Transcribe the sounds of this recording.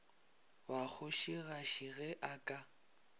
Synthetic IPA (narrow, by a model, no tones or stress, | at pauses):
wak͡xʰʊʃiɣaʃiɣɛʔakʼa